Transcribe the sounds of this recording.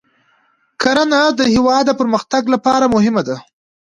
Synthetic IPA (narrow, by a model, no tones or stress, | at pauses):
kaɾanad̪əhɪwɑd̪ːəpəɾməxt̪aɡlapɑɾamʊɦɪmad̪a